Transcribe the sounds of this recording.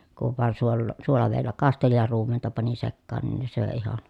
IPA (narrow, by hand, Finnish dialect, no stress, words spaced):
kuʋ ʋɑˑen suolːoˑ suolɑʋeˑi̯lːæ kɑsteli jɑ ruːmentɑ pɑni sekːɑːn nin se søeˑ ihɑn̞